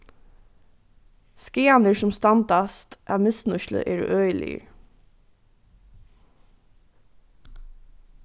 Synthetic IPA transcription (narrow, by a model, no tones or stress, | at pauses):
skɪːɑnəɹsʊmst̪ɑnt̪ɑst̪ʔæʋmɪsnʊʃlə̰ʔɛ̰ːɾœːʏjlɪ̰ə̰ɹ